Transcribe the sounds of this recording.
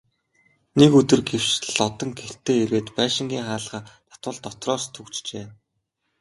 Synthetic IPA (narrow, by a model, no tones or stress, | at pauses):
nekɵt̪ɵ̆rɡew̥t͡ɕ̆ɮɔt̪ɞ̆ŋɡer̥t̪ʰeːeɾweːt̪pæːʃɪ̆ŋɡʲiːŋχaːɮχaːt̪ʰḁt̪wə̆ɮt̪ɔt̪rɔːst̪ʰɵkt͡ɕt͡ɕeː